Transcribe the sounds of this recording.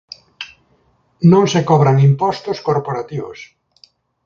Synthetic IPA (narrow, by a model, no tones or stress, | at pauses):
nõŋsekɔβɾaŋimpɔst̪oskoɾpoɾat̪iβo̰s